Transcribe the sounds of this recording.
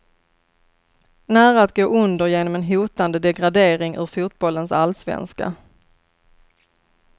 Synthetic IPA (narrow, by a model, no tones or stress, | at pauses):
næːɾaat̪ɡoːʔɵnd̪əɾjeːnɔmɛnɦuːt̪and̪əd̪ɛɡɾad̪eːɾɪŋʔɵ̰ːɾfuːt̪̚bɔlːənsalsvɛ̰nska̰